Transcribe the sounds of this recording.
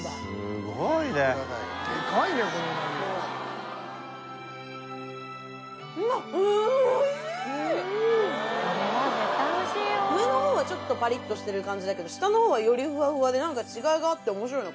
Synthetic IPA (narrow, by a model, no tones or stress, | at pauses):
d̪aɨɡoineikaid̪eokononão | aɯ | t̪anoɕiɯmeno̞ho̞ːβat͡ɕo̞t̪ːo̞paɾʲit̪ːo̞ɕi̥t̪e̞ɾɯ̟kãɲ̟d͡ʑid̪ake̞d̪o̞ɕi̥t̪anoho̞ːβajo̞ɾʲiɸɯ̟βaɸɯ̟βad̪e̞nãŋkat͡ɕiɡaiɡaːt̪ːe̞omo̞ɕ̬iɾo̞ino